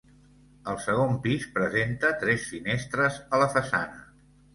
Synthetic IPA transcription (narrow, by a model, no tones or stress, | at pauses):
əlˠsəɣ̞ompispɾəzent̪ət̪ɾɛsfinɛst̪ɾəzələfəsa̰nə